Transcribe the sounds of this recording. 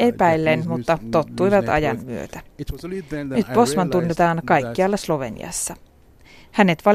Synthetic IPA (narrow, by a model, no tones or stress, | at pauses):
epæjlːenmut̪ːɑt̪o̞t̪ːujʋɑt̪ɑ̰jɑnmyøt̪æ | nyt̪̚po̞smɑnt̪unːet̪ɑːnkɑjkːiɑlːɑslo̞ʋe̞̰nḭɑ̰sːɑ | hæne̞t̪ʋɑ